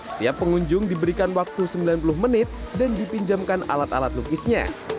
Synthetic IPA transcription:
əsə̥t̪iapːəŋuɲd͡ʒʊŋdibəɾikanwak̚t̪usəmbilanp̬ulʊhmənɪt̪̚dandipiɲd͡ʒamkana̰lat̪alat̪̚nukɪsɲa̰

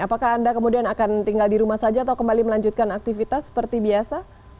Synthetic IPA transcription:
apakaːndakəmudianakant̪iŋɡaldiɾumahsad͡ʒaːt̪awkəmbaliməlaɲd͡ʒut̪̚kanak̚t̪ifit̪asːə̥pərt̪ibiasa

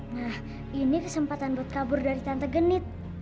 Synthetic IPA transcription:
nah | inikəsəmpat̪anbat̪̚kabʊrdaɾit̪ant̪əɡənɪt̪̚

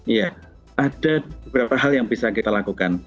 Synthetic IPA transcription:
ija | ʔad̥abəbəɾapaɦaljaŋbisakit̪alakukan

